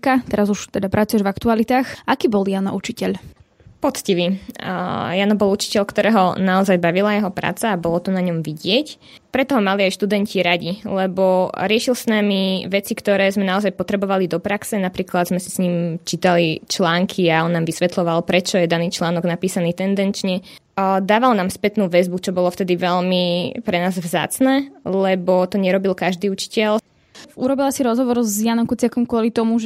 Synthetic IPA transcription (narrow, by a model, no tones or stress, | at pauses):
kat̪ɛɾazuʃt̪ɛd̪apɾat͡sujɛʒvakt̪ualit̪aːxʔakiːbɔljanɔ̰ʔut͡ʃicɛʎ | pɔt͡sciʋi | janɔbɔlut͡ʃi̥cɛʎkt̪ɔɾɛːɦɔnaɔzajbaʋilajɛɦɔpɾa̰ːt͡saːbɔlɔt̪ɔnaɲɔmʋiɟɪɛc | pɾɛt̪ɔɦɔmaliajʃt̪ud̪ɛncʰiɾaɟilɛbɔɾɪɛʃilsnamiʋɛt͡sikt̪ɔɾɛːzmɛnaɔzajpɔt̪ɾɛbɔʋalid̪ɔpɾaksɛnapɾiːklad̪zmɛsi̥sɲiːmt͡ʃiːt̪alit͡ʃlaːŋkʰiaɔnːaːmʋisʋɛt̪lɔʋalpɾɛt͡ʃɔjɛd̪aniːt͡ʃlaːnɔɡnapiːsaniːt̪ɛnd̪ɛnt͡ʃɲɛ | d̪aːʋalnaːmspɛt̪nuːʋɛzbut͡ʃɔbɔlɔft̪ɛd̪iʋɛʎmipɾɛnaːzʋza̰ːt͡snɛːlɛbɔt̪ɔɲɛɾɔbilkaʒd̪iːut͡ʃi̥cɛl | uɾɔbilasiɾɔzɦɔʋɔɾzjanɔmkut͡sɪakɔmkʊɔlit̪ɔmuʒ